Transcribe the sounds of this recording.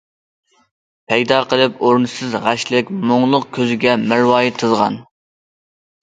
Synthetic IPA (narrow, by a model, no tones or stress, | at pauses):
pʰɛjd̪ɑːqʰəlˠɨpoɾnɨsɨzʁæʃlɪkʲmoŋlˠʊqkʲʰøzɪɡʲɛmɪɾwɑːjɪt̪ʰɨzʁɑ̰n